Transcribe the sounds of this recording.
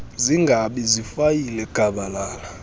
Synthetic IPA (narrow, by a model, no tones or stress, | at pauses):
ziŋɡʱaɓizifajilɛɡ̥ʱaɓalaːla